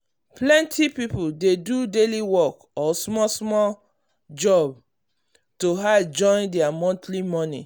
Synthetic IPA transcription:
plɛ̃ntʰipipudedudeliwɔk | ɔsmɔsmɔl | d͡ʒɔb̚ | toɦad͡ʒɔ̃ɪ̃ndɛamɔ̃ntlimɔnḭ

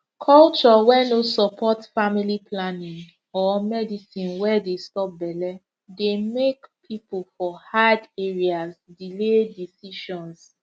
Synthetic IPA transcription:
kʰɔlt͡ʃɔwɛnosɔpʰɔtfamiliplanĩŋ | ɔmɛdisĩnwɛdestɔp̚bɛlɛ | demekpʰipʰulfɔhadeɹiasdiledisiʃɔ̃ns

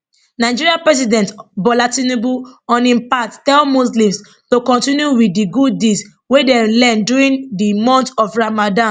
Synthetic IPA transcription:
naɪd͡ʒiɹiãpɹɛs̬idɛ̃ntbɔlatinebuɔ̃nĩpattɛlmuslĩms | tokɔ̃ntĩnjuwidiɡud̚ːes | wedɛlɛ̃nduɹĩndimɔ̃ntɔfɹamadã

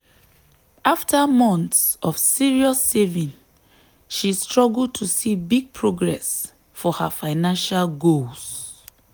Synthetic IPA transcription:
aftʰəmɔ̃ntsɔv̥siɹiɔsːevĩn | ʃistɹɔɡul̚ˠtʰusibiɡ̚pʰɹoɡɹɛs | fɔhafaɪnãnʃalɡols

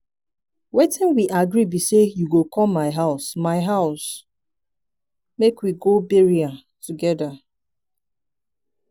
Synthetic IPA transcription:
wetɪ̃nwiʔaɡɾibisejuɡokʰɔlmaɪɦaʊsmaɪɦaʊs | mekwiɡobeɹia | tuɡɛda

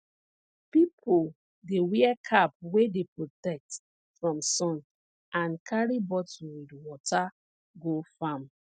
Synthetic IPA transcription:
pipʰol | dewɛkʰap̚wedepɹotɛk̚t | fɹɔ̃msɔ̃n | ʔãnkʰaɹibɔt̩widwɔtʰa | ɡofãm

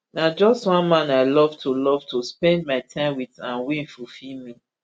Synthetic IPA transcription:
nad͡ʒɔstwãnmãnaɪlɔvtʰulɔvtʰuspɛ̃ndmaɪtʰãɪ̃mwiðãnwĩnfufimi

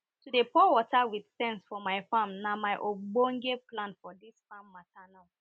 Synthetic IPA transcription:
tudepɔwɔtawidsɛ̃nsfɔmaɪfãmnamaɪʔobõŋɡeplãnfɔdisfãmːatana

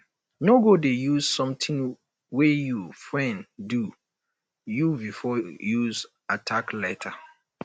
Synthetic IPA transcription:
noɡodejuzsɔ̃mtʰɪ̃n | wɛjufɹɛ̃ndu | jubifɔjuz | atʰaklɛtʰa

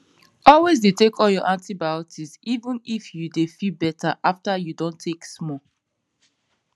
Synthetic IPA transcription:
ɔlwezdetekʰɔljɔʔãntibaʊtʰizivũnifjudefilbɛtʰaʔaftajudõntʰːeksmɔ

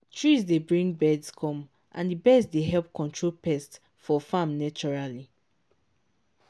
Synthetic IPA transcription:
tʰɹizdebɹĩŋɡbɛdskʰɔ̃m | ʔã̰ndibɛdzsdeɦɛlp̚kɔ̃ntʰɹolpɛst | fɔfãmnat͡ʃɔɹali

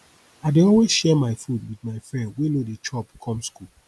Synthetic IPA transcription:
aɪdeɔlwezʃɛmaɪfud̚widmaɪfɹɛ̃ndwelodet͡ʃʰɔpkʰɔ̃mskul

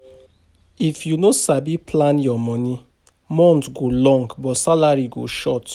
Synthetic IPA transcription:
ifjunosabipʰlãnjɔmɔ̃nĩ | mɔ̃ntɡolɔ̃ŋɡbɔtsalaɹiɡo̰ʃɔt

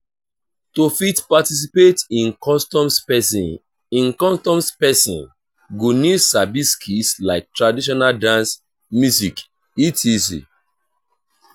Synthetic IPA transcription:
tofitpatis̬ipetĩnkɔstɔ̃mspɛ | ĩnkɔ̃stɔ̃mspɛsḭ̃n | ɡunisabiskʰislaɪk̚tɹadiʃ̬ɔnaldãns | mjuzik | itʰisḭ

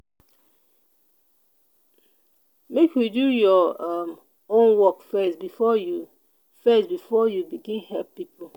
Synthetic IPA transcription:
mekʰjudujɔam | õnwɔkfɛsbifɔju | fɛsbifɔjubiɡĩnhɛlppipo

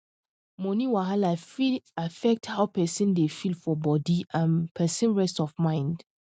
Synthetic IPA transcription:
mɔ̃niwaɦalaiafɛk̚thaʊpɛsĩndefilfɔbɔdiʔãnpʰɛsə̃nɹɛstɔvmãɪ̃nd

